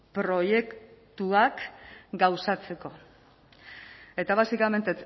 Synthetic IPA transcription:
pɾo̞je̞kt̪uakɡawsat͡se̞ko̞ | e̞t̪aβasikame̞nt̪et͡s

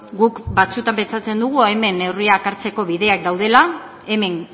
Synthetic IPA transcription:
ɡukbat͡sut̪ampe̞nt͡sat͡se̞nd̪uɣ̞ueme̞ne̞wriakaɾt͡se̞ko̞βiðe̞ak̚d̪awð̞e̞la | e̞me̞ŋ

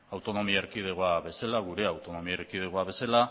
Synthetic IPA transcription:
awt̪o̞no̞miaeɾkið̞eɣoaβe̞salaɣ̞uɾe̞awt̪o̞no̞miaeɾkið̞eɣoaβe̞sala

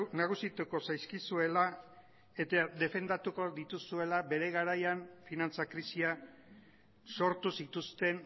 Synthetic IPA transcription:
naɣ̞usit̪uko̞sajskisue̞la | et̪aðe̞fe̞nd̪at̪uko̞ðit̪usue̞labe̞ɾe̞ɣaɾajaɱfinant͡sakɾisia | so̞ɾt̪usit̪ust̪e̞n

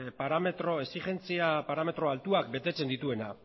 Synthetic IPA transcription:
paɾame̞t̪ɾo̞e̞sixe̞nt͡siapaɾame̞t̪ɾo̞alt̪uakbe̞t̪e̞t͡se̞nd̪it̪ue̞na

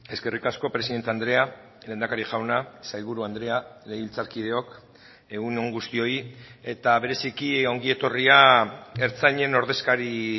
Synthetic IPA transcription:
e̞ske̞rikasko̞pɾe̞siðe̞nt̪eand̪ɾe̞a | le̞nd̪akaɾiʝawnasajlβuɾuand̪ɾe̞ale̞iβilt͡saɾkið̞e̞o̞k | e̞ɣuno̞ŋɡust̪io̞ie̞t̪aβe̞ɾe̞sikio̞ŋɡie̞t̪o̞riae̞ɾt͡saɲe̞no̞ɾðe̞skaɾi

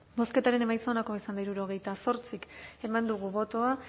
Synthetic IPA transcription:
bo̞ske̞t̪aɾe̞ne̞majt͡sonako̞isand̪aiɾuɾoɣe̞jt̪aso̞ɾt͡sike̞mand̪uɣ̞uβo̞t̪o̞a

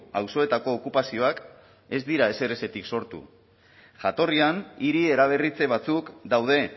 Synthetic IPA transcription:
awso̞e̞t̪ako̞ːkupasio̞ak | e̞zd̪iɾae̞se̞ɾe̞se̞t̪ikso̞ɾt̪ṵ | ʝat̪o̞rianiɾie̞ɾaβ̞e̞rit͡se̞β̞at͡sukd̪awð̞e̞

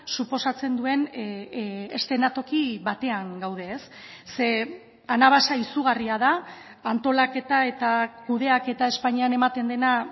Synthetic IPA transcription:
supo̞sat͡se̞nd̪ue̞n | est̪e̞nat̪o̞kiβat̪e̞aŋɡawð̞e̞ːsː | e̞ | anaβ̞asaisuɣariað̞a | ant̪o̞lake̞t̪ae̞t̪akuð̞e̞ake̞t̪ae̞spaɲiane̞mat̪e̞nd̪e̞na

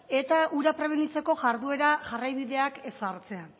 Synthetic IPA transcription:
e̞t̪auɾapɾe̞β̞e̞nit͡se̞ko̞ʝaɾðue̞ɾaʝarajβiðe̞ake̞saɾt͡se̞a

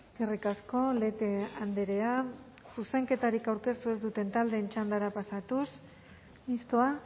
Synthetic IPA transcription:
skerikasko̞le̞t̪eand̪eɾea | suse̞ŋke̞t̪aɾikawɾke̞st̪ue̞zd̪ut̪e̞nt̪ald̪e̞ːnt͡ʃand̪aɾapasat̪us | mist̪oa

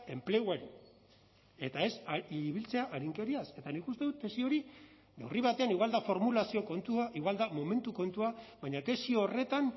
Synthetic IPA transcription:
e̞mple̞ɣwaɾi | e̞t̪ae̞siβilt͡se̞aʔaɾiŋke̞ɾiase̞t̪anikust̪e̞ðut̪ːe̞sio̞ɾi | newriβ̞at̪e̞aniɣwald̪afo̞ɾmulasio̞ko̞nt̪uaʔiɣwald̪amo̞me̞nt̪uko̞nt̪uaβajɲat̪e̞sio̞ːre̞t̪an

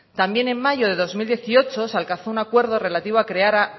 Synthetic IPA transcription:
t̪ambje̞nẽ̞nmaʝo̞ðe̞ðo̞zmild̪je̞θio̞t͡ʃo̞salkanθounakwe̞ɾð̞o̞re̞lat̪iβoakɾe̞aɾa

